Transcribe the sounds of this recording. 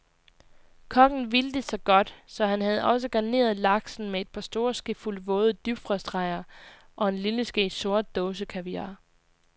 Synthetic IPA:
kʰɒ̽ŋn̩ʋild̥e̝sɑ̈ɪɡ̥ɒ̽d̥sɒ̽hænhæð̞̩ˠɒ̽s̬əɡ̥ɑ̈ne̝̰ːɐð̞ˠlɑ̈ɡ̥sn̩mee̝d̥̚pʰɑ̈sd̥o̝ːɐsɡ̥əfulʋɔːð̞̩ˠd̥yb̥fʁɑsd̥ʁɑ̈ɪ̰ɐ | ʔɒ̽e̝nliləsɡ̥əso̝ɐ̰d̥̚ːɔːsəkʰæʋiɑ̰̈

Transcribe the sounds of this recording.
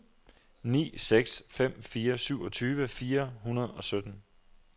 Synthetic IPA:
nḭːseɡ̥sfem̰fiːɐsyʊ̰ɒ̽t͡sʰyːʋəfiːɐɦunɐðˠɒ̽sød̥n̩

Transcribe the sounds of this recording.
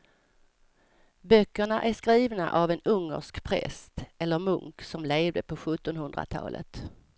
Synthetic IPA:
bœkːəɳaʔæʂkɾiːvna̰ʔavɛnɵŋːə̰ʂkpʰɾɛ̰st̪ɛlːəɾmɵ̰ŋksɔmleːvd̪əpʰɔɧɵt̪ːɔnhɵnd̪ɾa̰t̪ʰɑ̰ːlʔə̰t̪

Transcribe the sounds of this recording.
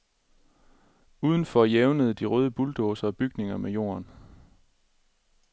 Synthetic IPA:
uːð̞ˠən̩fɒ̽jeʊnəð̞ˠd̥iʁœːð̞ˠəb̥uld̥ɔːsɐːb̥yɡ̥ne̝ŋɐmejo̝̰ːɐn

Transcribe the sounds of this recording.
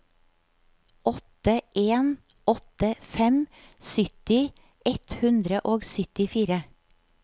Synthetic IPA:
ɔt̪əʔeːn | ʔɔt̪əfɛm | sʏt̪ɪ | ʔɛt̪hʉnd̪ɾəʔoːɡsʏt̪ɪfiːɾə

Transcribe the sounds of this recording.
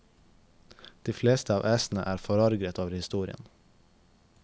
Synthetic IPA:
d̪̥iːfleːst̪əɑːʋʔæːsn̩ə̰ʔæːɾfɔɾɑɾɡɾət̪oːʋəɾhɪst̪uːɾɪ̰ə̰n

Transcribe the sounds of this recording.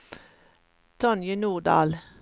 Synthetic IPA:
t̪ʰɔnjənuːʁɖɑ̰ːl

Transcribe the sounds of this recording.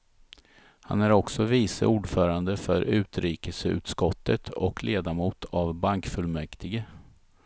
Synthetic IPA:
ha̰næɾɔksɔviːsə̰ʔuːɖfœːɾand̪əfœɾʉ̟ːt̪ɾiːkəsəʉ̟̰ːt̪skɔt̪ːət̪ʰɔkʰlʔeːd̪amuːt̪ʰavbaŋkfɵlmɛkt̪ʰɪɡə

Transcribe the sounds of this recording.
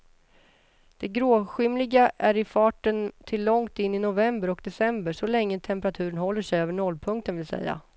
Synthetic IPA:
d̪̥ɛɡɾoːɧɪmlɪɡaʔæɾɪfɑːʈənt̪ʰɪlːɔŋt̪ɪnːɪnʊvɛmbəɾɔkd̪ɛsɛmbəʂɔlɛŋːət̪ʰɛmpəɾat̪ʰʉ̟ːɾənɦɔlːəʂɛjøːvəɳɔlːpʰɵŋkt̪ənvɪlsɛ̰jːa̰

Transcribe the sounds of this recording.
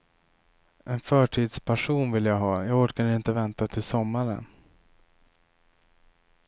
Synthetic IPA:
ʔɛnfœːʈʰiːd̪spʰæʂuːnvɪljaɡɦɑːjaːɡɔkanɪnt̪əvɛnt̪at̪ʰɪlsɔmːaɾə̰n

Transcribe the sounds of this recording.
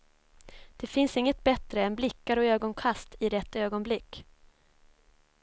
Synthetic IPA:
d̪̥ɛfɪnsɪŋːət̪̚bɛt̪ɾəɛnblɪkːaɾɔøːɡɔnkʰast̪ɪɾɛt̪ːøːɡɔnblɪkː

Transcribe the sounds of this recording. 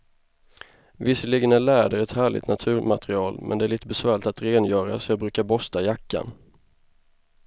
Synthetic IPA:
vɪsːəlɪɡənæɭæːɖəɾɛt̪hæːɭɪ̰t̪nat̪ʰʉ̟ːɾmat̪ɾɪɑːlmʔɛ̰nd̪ɛæɾɭiːt̪əbɛsvæːɭɪt̪at̪ɾeːnjœːɾasɔjɑːbɾʉ̟ːkaɾbɔst̪ajakːa̰n

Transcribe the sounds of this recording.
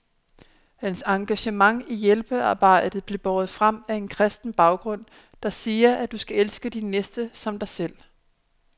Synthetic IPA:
hænsɑ̈ŋɡ̥æɕəmɑ̈ŋijelb̥əɑ̈ːb̥ɑ̈ɪ̰d̥ð̩ˠb̥le̝b̥ɒːð̞̩ˠfʁam̰æe̝nkʰʁɛsd̥n̩b̥ɑ̈ʊɡ̥ʁɔ̽n̰ | d̥ɑ̈siːɐʔæd̥usɡ̥æelsɡ̥əd̥inːesd̥əsɒ̽md̥ɑ̈ɪsel̰

